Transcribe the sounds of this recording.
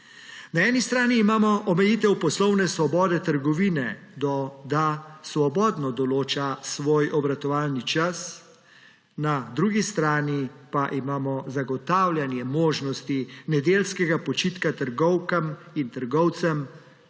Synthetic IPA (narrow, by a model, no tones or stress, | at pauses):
naɛːnist̪ɾaːniːmaːmɔʔɔmɛjiːt̪ɛwpɔslɔwnɛsʋɔbɔːd̪ɛt̪əɾɡɔʋiːnɛd̪ɔd̪asʋɔbɔːd̪nɔd̪ɔloːt͡ʃasʋoːjʔɔbɾat̪ɔʋaːlnit͡ʃas | nad̪ɾuːɡist̪ɾaːnipaʔimaːmɔzaɡɔt̪aːwlʲjanjɛmoːʒnɔst̪inɛd̪eːlskɛɡapɔt͡ʃiːt̪kat̪əɾɡɔwkamint̪əɾɡɔwt̪sɛm